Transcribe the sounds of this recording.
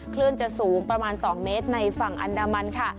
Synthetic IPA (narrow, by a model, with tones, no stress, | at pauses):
kʰlɯ˥˩ənt͡ɕa˨˩suː˩˦ŋpɾa˧maː˧nsɔː˩˦ŋmeː˦˥t̪̚na˧jfa˨˩ŋʔa̰˧ndaː˧ma˧nkʰa˥˩